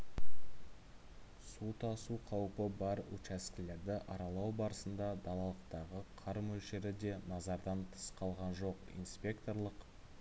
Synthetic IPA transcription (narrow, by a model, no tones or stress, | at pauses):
sut̪ʰɑsuqʰɑwəpəbɑɾṵt͡ʃæskʲɪle̞ɾd̪ɪʔɑɾɑlˠɑwbɑɾəsənd̪ɑd̪ɑlˠɑlˠəqt̪ɑʁəqʰɑɾmɵlʃe̞ɾɪd̪e̞nɑzɑɾd̪ɑnt̪ʰə̥sqʰɑlˠʁɑnʒo̞qḭnspʲe̞kt̪o̞rlˠəq